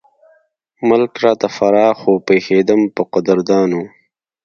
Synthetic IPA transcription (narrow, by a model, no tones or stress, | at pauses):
mʊlkɾɑːt̪afɐɾɑːxoːpeːxeːd̪əmpəqʊd̪əɾd̪ɑːnu